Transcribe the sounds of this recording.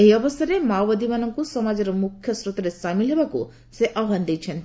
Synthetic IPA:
eɦiɔbɔsɔɾemawbad̪imanɔŋkusɔmad͡ʒɔɾɔmukʰjɔsɾot̪ɔɾesamilɦebakṵ | seʔaɦand̪ejt͡ʃʰen

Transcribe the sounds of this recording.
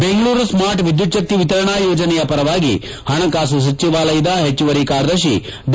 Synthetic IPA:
beŋɡɐɭuːɾsmaːɾʈʋid̪jut̪ʃɐk̚t̪iʋit̪ɐɾɐɳaːjoːd͡ʒɐnɛjɐpɐɾɐʋaːɡḭ | hɐɳɐkaːs̬us̬ɐt͡ʃːiʋaːlɐjid̪aɦet͡ʃːuʋɐɾikaːɾd̪ɐʃi | ɖ

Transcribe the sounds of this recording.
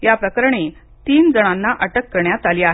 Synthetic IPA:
japɾəkəɾɳ̃e | t̪iːnd͡zəɽ̃anːaʔəʈəkːəɾɳjat̪aliːaɦ

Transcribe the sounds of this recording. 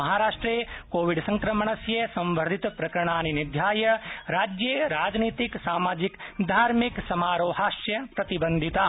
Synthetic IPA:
ɐɦaːɾaːʂʈɾeːkoːʋiɖsɐ̃ŋkɾɐməɳ̃ɐsjɐsɐ̃mʋəɾd̪ʱit̪pɾɐkɾɐɳ̃aːninid̪ʱjaːjɐɾaːd͡ʒjeɾaːd͡ʒniːt̪iksaːmaːd͡ʒikd̪ʱaːɾmiksɐmaːɾoːɦaːʃjɐpɾɐt̪ibɐ̃nd̪ʱit̪aː

